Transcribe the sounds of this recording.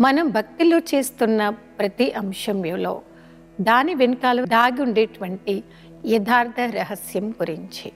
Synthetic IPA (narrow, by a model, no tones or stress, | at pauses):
mɐnɐmbʱɐk̚t̪iloːt͡ʃe̞ːst̪unːɐpɾɐt̪iʔɐmʂɐmjɐːlo̞ː | d̪aːniʋenɐkaːlɐd̪aːɡiuɳɖeːʈuʋɐɳʈi | jɐd̪ʱaːɾt̪ʰɐɾɐɦɐsjɐmkuɾiɲt͡ʃi